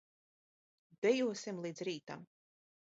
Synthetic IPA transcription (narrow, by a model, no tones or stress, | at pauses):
d̪̥ɛjuɔsimlˠiːd̪zɾiːt̪a̰m